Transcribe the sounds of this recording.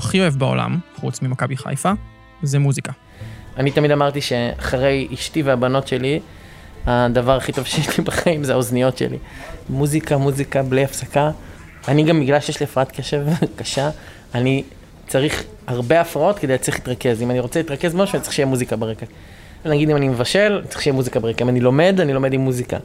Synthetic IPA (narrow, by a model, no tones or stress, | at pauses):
aχioevbao̞̰la̰mχut͡smimakabiχa̰jfa | zemuzika | anit̪amid̪amaʁt̪iʃe̞a̰χaʁe̞jiʃtiveabano̞tʃe̞li | ad̪avaʁaχit̪o̞vʃejeʃlibaχaimzeaoznijo̞tʃḛlḭmuzikamuzikablejafsakaː | niɡamːiɡlalʃejeʃliafʁaat̪keʃevkaʃaː | ni | t͡saʁiχ | haʁbe̞afʁao̞tked̪ejatt͡siχli̥t̪ʁake̞zimaniʁot͡selit̪ʁakezmmoʃanitt͡sʁi̥ʃejɛmuzikabeʁeka | venaɡid̪imanime̞vaʃe̞lanitt͡siχʃejemuzikabeʁekaimanilo̞me̞danilo̞me̞d̪imːuzika̰